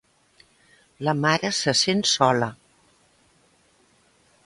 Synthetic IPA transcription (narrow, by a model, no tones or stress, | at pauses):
ləmaɾəsəsensɔlə